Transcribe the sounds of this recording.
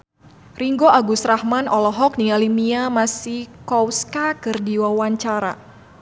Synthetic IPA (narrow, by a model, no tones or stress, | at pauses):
riŋɡoʔaɡusrahmanʔɔlɔɦɔk̚nialimiamasihkɔwskakɨrdiwawaɲt͡ʃaɾa̰